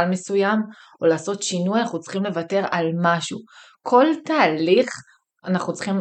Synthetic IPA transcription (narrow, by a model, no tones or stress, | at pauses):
lme̞sujam | olaːso̞tʃinujanaχnut͡sχimle̞vate̞ʁalmaʃu | kʰo̞ltaːliχ | anaχnut͡sχim